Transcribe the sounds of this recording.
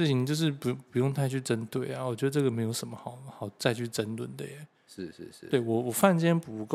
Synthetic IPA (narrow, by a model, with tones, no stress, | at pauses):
ɻ̩˥˩t͡ɕʰi˧˥ni˨˩t͡ɕjo˥˧ʊʂ̬ɻ̩˥˩pu˧˥˩pu˨˥jʊ˥˩ŋt̪ʰa˥ɪt͡ɕʰy˥˩ʈ͡ʂə˥nt̪we˥˩ɪa˨wɔ˨˩t͡ɕɥɛ˧˥d̪ə˧ʈ͡ʂɤ˥˩ɡə˩me˧˥ɪjo˧˥ʊʂə˧˥nmə˦xɑ˨˩˦ʊxɑ˨˩ʊt͡sa˥˧ɪt͡ɕʰy˥˩ʈ͡ʂə˥nt̪wə˨˩˦nd̪ə˦jɛ˨˦ | ʂ̩˥˩˥we˥˩ɪwɔ˨˩wɔ˨˩fa˥˧nt͡ɕjɛ˥npu˨˩˧ko˥˧